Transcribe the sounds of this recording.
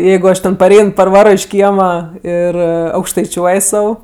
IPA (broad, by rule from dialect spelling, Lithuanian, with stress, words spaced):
ˈjɛɪɡʊ ˈɐʃ tʲɛn pɐˈrʲɛɪn pɐrˈʋɑːroː ɪʃ ˈkʲiɛmɐ ɪr ɐʊkʃtɐɪˈt͡ʃʲuɔj ˈsɐʊ